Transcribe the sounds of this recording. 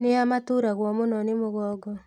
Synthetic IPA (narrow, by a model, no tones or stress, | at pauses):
neamatuɾaɣwɔmonɔnemoɣɔːɡɔ